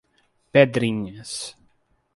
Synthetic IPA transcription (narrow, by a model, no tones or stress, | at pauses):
ped̪ɾĩɲɐs